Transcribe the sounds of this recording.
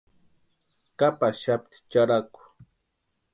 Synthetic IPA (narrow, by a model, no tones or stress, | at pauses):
kapaʃap̚t̪i̥t͡ʃaɾakʊ̥